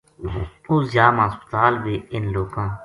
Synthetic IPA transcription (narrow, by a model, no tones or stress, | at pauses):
ʊzjaːmãːspə̥t̪aːlʋiːɪnloːkãː